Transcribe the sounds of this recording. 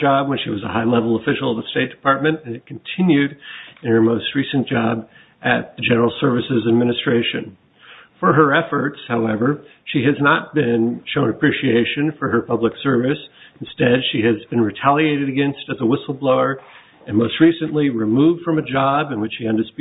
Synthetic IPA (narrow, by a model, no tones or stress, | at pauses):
d͡ʒɑb̚wə̃nʃiwʌzəhaɪlɛvl̩ˠəfɪʃl̩ˠdə̥steɪt̚d̥ɨ̥pʰɑɹt̚mɨ̃nɨ̃nɨt̚kʰn̩tʰɪ̃njʉɾɨ̃nə˞moʊst̚ɹisɨ̃nd̥ʒ̥ɑb | ʔɨt̪̚ðɨd͡ʒɛnə˞l̩ˠsɜ˞vɨsɨzɨd̚mɪñɨstɹ̥eɪʃɨ̰̃n | fə˞ə˞ɛfə˞tshaʊɛvə˞ | ʃiɨznət̚b̥ɪ̃nʃõʊ̃nɨpʰɹ̥iʃieɪʃɨ̃nfə˞ə˞pʰʌbləksɜ˞vɨsn̩stɛd̥ʃiɨzbɨ̃nɹitʰælˠieɪɾɨɾɨɡɛ̃nstɨt̪̚ðəwɪsl̩ˠbloʊə˞ | ɨ̃nmoʊst̚ɹisɨ̃nʔliɹɨmuvd̥fɹʌ̃mɨd͡ʒɑbɨ̃nwɨt͡ʃʃiɨ̃ndɨsp